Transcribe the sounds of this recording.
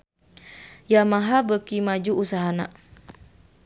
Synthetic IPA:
jamaɦabəkimad͡ʒuʔːsaɦanaʔ

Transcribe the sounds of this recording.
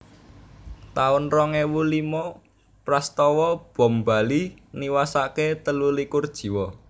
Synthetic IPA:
t̪aʊnrɔŋewulimɔ | pɾast̪ɔwɔb̥ɔ̤mba̤liniwasaket̪əlulikurd̥ʒ̥i̤wɔ

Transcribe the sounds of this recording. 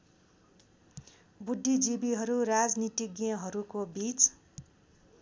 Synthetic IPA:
bud̪ʱːid͡zibiɦʌɾuɾad͡znit̪ikɡijʌ̃ɦʌɾukobit͡s

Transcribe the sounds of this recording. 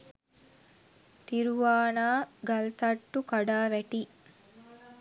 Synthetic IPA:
t̪iɾuʋaːnaːɡɐlt̪ɐʈːukɐɖaːʋæʈiː

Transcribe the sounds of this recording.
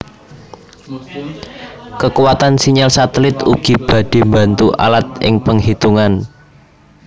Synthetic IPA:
kəkuwat̪ansiɲalsat̪əlɪt̪ṵɡ̥ib̥a̤d̥e̤mbant̪uʔa̰lat̪̚ʔɪ̰ŋpəŋɦit̪uŋan

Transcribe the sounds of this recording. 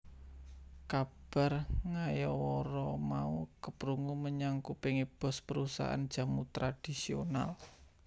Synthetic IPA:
kab̥a̤rŋajɔwɔɾɔmaukəpɾuŋuməɲaŋkupɪŋib̥ɔ̤spəɾusa̰ʔa̰nd̥ʒ̥a̤mut̪ɾad̥isiona̰l

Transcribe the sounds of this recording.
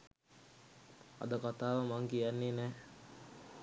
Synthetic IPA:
a̰d̪əkat̪aːʋəmaŋkijanːinɛː

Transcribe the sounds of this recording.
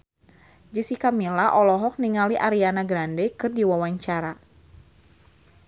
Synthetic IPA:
d͡ʒisikamilaʔɔlɔɦɔk̚niŋaliʔaɾianaɡɾandɛkɨrdiwawaɲt͡ʃaɾa

